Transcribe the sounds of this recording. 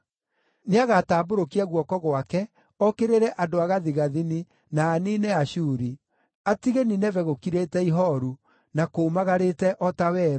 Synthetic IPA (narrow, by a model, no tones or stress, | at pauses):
neaɣataːboɾokiɛɣwɔkɔɣwakɛ | ɔkeɾeɾɛʔadoaɣaðiɣaðini | naːninɛaɕuːɾi | atiɣeninɛvɛɣokiɾetɛiɦɔɾu | nakomaɣaɾetɛʔɔtawɛːɾ